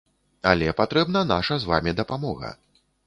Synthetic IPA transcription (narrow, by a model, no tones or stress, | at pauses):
alʲɛpat̪ɾɛbnɐn̪aʂɐzva̰mʲid̪ɐpamɔɣɐ̰